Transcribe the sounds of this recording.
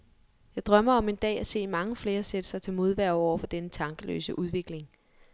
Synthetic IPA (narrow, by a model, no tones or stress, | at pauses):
jɑ̈ɪd̥ʁɶm̰ɐɒ̽me̝nd̥ɛ̰ːæse̝̰ːmɑ̈ŋəfle̝ːɐsed̥əsɑ̈ɪt͡sʰe̝lmo̝ð̞ˠʋæɐ̰ɒ̰ʊ̰ɐfɒ̽d̥enət͡sʰɑ̈ŋɡ̥əlø̰ːsəʔuð̞ˠʋe̝ɡ̥le̝ŋ